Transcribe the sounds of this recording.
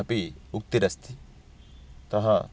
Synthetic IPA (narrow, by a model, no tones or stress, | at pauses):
ɐpiuk̚t̪iɾɐst̪i | t̪ɐɦɐ